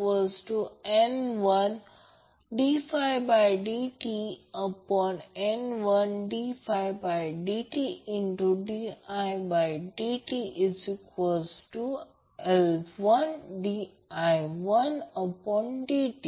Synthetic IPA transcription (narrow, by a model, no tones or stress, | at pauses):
ɔzʈuẽnʋʌ̃n | ɖifaɪbaɪɖiʈiəpɔ̃nẽnʋʌ̃nɖifaɪbaɪɖiʈiɪ̃ɳʈuɖiaɪbaɪɖiʈiʔɪsɪkɔzʈu | ɛlʋʌ̃nɖi | aɪʋʌ̃nəpɔ̃nɖiʈi